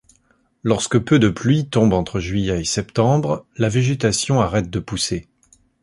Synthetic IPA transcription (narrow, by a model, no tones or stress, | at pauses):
lɔʁskəpød̪əplɥit̪ɔ̃bɑ̃t̪χəʒɥijɛesɛpt̪ɑ̃bʁlaveʒet̪asjɔ̃aʁɛt̪̚d̪əpuse